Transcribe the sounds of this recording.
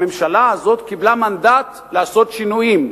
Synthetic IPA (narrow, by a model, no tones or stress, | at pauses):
emʃalaazo̞t̪kiblamand̪at̪ | leaso̞t̪ʃinujim